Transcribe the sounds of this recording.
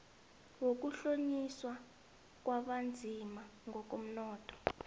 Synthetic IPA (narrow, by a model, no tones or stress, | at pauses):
wok̬uɬoɲiswa | k̬waɓand͡zʱimaŋɡʱɔkom̩nɔːtʰʼɔ̥